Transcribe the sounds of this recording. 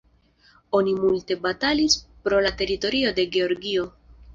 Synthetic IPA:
o̞nimulte̞batalispɾo̞late̞ɾito̞ɾio̞de̞ɡe̞o̞ɾɡio̞

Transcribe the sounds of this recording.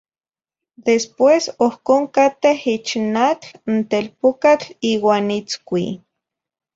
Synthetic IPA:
d̪espwesohkoːŋkat̪ehit͡ʃnat͡ɬnt̪elpokat͡ɬiːwaːnit͡skʷi

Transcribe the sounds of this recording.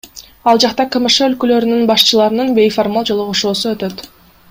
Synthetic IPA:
ɑlˠd͡ʒɑqt̪ɑkɯməʃøːlkølø̞ɾynynbɑʃt͡ʃɯlˠɑɾɯnɯnbe̞jformalˠd͡ʒo̞lˠuʁoʃuːsuø̞t̪øt̪

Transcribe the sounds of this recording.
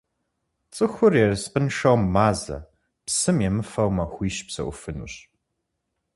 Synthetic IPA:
t͡sʼɨxʷʊrjɛrɨspʼɨnʂɐwmːaːzɐ̰ | psɨmjɛmɨfɐwmɐxʷiːʃpsɐ̰ʔʊ̰fɨnṵːɕ

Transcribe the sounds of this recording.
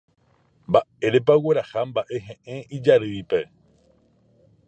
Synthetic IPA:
mbae̞ɾe̞p̬awe̞ɾahambaʔe̞ɦẽʔẽid͡ʒaɾɨipe̞

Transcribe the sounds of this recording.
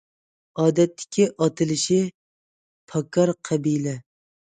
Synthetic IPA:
ɒːd̪ɛt̪ːɪ̥kʲʰːɪʔɒt̪ʰɪlɪʃɪ | pʰɑkʰːɑɾqʰɑbilɛ

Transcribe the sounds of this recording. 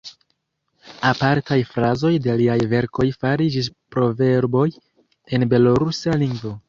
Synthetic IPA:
apaɾtajfɾazo̞jde̞liajve̞ɾkʰo̞jfaɾid͡ʒis̬pɾo̞ve̞ɾbo̞j | e̞nbe̞loɾusaliŋɡvo̞

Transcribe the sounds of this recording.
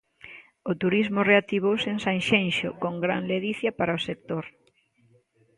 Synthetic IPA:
ʊt̪uɾizmʊreat̪iβ̞owsensanʃenʃʊ̰koŋɡɾa̰nleðiθjapaɾɐosek̚t̪oɾ

